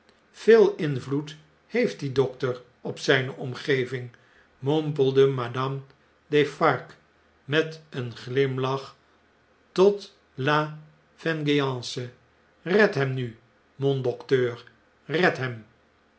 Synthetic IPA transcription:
v̥ɪːlˠɪnvlut | hejft̚didɔktər | ɔpsɛjnəʔɔmχejvɪŋ | mɔmpəlˠdəmadɑm | defɑɹk | mɛtənχlɪmlɑχ | tɔt | la | v̥ɛnɡijɑ̃ːsə | rɛtɦɛmny | mɔndɔktøːr | rɛtɦɛm

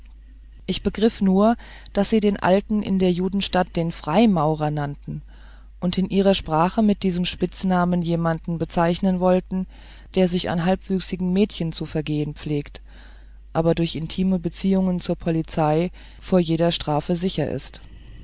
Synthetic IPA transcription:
ʔɪçb̥əɡʁɪfnuːɐ | d̥asz̥iːdeːnʔa̰ltn̩ʔɪ̰ndeːɐjuːdn̩ʃtat̚d̥eːnfʁ̥aɪmaʊʁ̞ɐnantn̩ | ʔʊntɪnʔiːʁ̞ɐʃpʁ̥aːχəmɪt̚d̥iːzəmʃpɪt͡snaːmənjeːmandn̩bət͡saɪçnənvɔltn̩ | d̥eːɐzɪça̰nɦalpv̥yːksɪɡŋ̩mɛːtçənt͡sufɛɐɡeːənp͡fleːkt | ʔaːbɐdʊɐçɪntʰiːməbət͡siːʊŋənt͡suːɐpʰɔlit͡saɪ | foːɐjeːɾɐʃtʁ̥aːfəzɪçɐʔɪ̰st

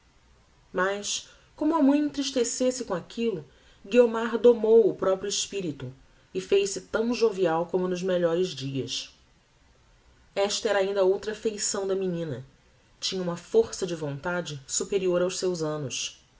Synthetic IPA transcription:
mɐjs | kõmʊɐmɐ̃j̃ẽnt̪ɾiʃt̪esesɪkõakʰilʊ | ɡiomaɾd̪omowʊpɾɔpɾjʊɪʃpiɾit̪ʊ | ɪfejʃsɪt̪ɐ̃w̃ʒoviawkõmʊnʊzmeʎɔɾɪzd͡ʒiɐs | ɛʃt̪ɐɛɾɐaĩnd̪ɐowt̪ɾɐfejsɐ̃w̃d̪ɐminĩnɐ | t͡ʃĩɲɐũmɐfoɾsɐd͡ʒɪvõnt̪ad͡ʒɪsupeɾioɾawʃsewzɐ̃nʊs

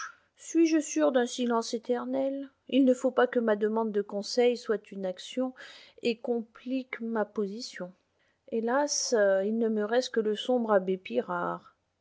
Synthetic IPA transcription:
sɥiʒəsyʁd̪ɛ̃silɑ̃set̪ɛʁnɛl | ilnəfopakəmad̪əmɑ̃d̪ːəkɔ̃sɛjswat̪ynaksjɔ̃ekɔ̃plikmapozisjɔ̃ | elasilnəməʁɛst̪̚kələsɔ̃bʁabepiʁaːʁ

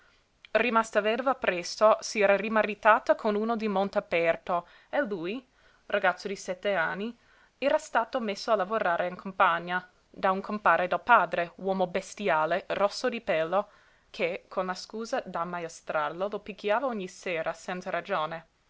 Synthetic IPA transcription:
rimast̪avɛrvapɾɛst̪osiɛːɾarimaɾit̪aːt̪akʰonuːnod̪imont̪apɛrt̪o | eluj | rʔaɡat̪sːod̪isɛt̪ːeanːi | ɛːɾast̪aːt̪omesːoalavoɾaːɾʔeiŋkʰompaɲːa | d̪auŋkʰompaːɾed̪alpaːd̪ɾewɔːmobest̪jaːlerɔsːod̪ipɛlːo | kʰekʰonlaskuːzad̪amaest̪ɾarlolopikːjaːvaoɲːiseːɾasɛnt̪saɾad͡ʒoːne

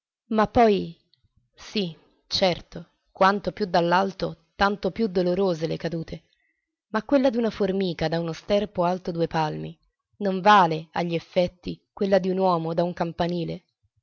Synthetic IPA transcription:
mapːɔj | si | t͡ʃɛrt̪o | kwant̪opjud̪alːalt̪ot̪ant̪opjud̪oloɾoːzelekad̪uːt̪ʰe | makwelːad̪iunaformiːkad̪aunost̪ɛrpoalt̪od̪uepalmi | noɱvaːlea̰ʎːiefːɛt̪ːikwelːad̪iunwɔːmod̪auŋkampaniːle

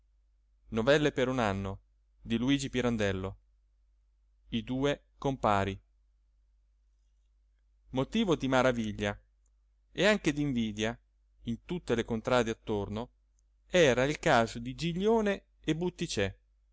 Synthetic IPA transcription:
novɛlːepeɾunanːo | d̪iluiːd͡ʒipiɾand̪ɛlːo | id̪uːe | kompaːɾi | mot̪iːvod̪imaɾaviʎːa | eaŋked̪iɱviːd̪ja | int̪ut̪ːelekont̪ɾaːd̪eat̪ːorno | ɛːɾailkaːzod̪id͡ʒiʎːoːne | ebːut̪ːit͡ʃɛ

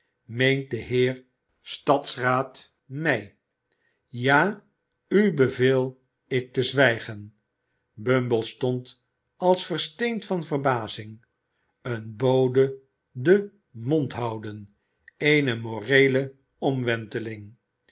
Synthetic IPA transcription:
mejnt̚dəɦɪːr | stɑtsraːt | mɛj | jaː | ybəveːlˠ | ɪk̚təzʋɛjχən | bømbəlˠstɔnt | ɑlˠsfərstejntfɑnvərbaːzɪŋ | ənbowdə | də | mɔntɦɑwdən | ejnəmoːrejlə | ɔmʋɛntəlɪŋ

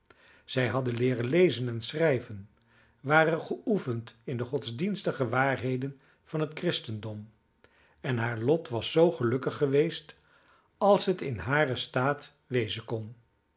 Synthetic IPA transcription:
z̥ɛjɦɑdənlɪːrənlejzənɛnsrɛjvən | ʋaːrənχəufəntɪndəχɔtzdinstəχəʋaːɹɦejdən | v̥ɑnɦətkrɪstəndɔm | ɛnɦaːɹlɔtʋɑsːowχəlɵkəχːəʋejst | ɑlˠsɦətɪnɦaːrəstaːt | ʋejzənkɔn

